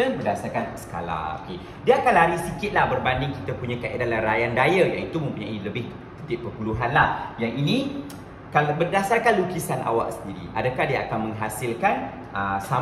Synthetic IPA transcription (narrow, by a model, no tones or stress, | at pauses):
əbərdasarkansə̥ka̰la̰o̰ke | diakalaɾisikɪt̪̚lahbərbandɪŋkit̪apuɲãkaʔedalarajandajajaŋit̪umə̃mpuɲailəbɪh | t̪ət̪ɪp̚pːərpuluɦanlahjaŋinĩ | kalabərdasarkanlukisanʔa̰wa̰ʔ̚səndiɾḭʔa̰dakahdiaakanmə̃ŋɦasilkan | əsa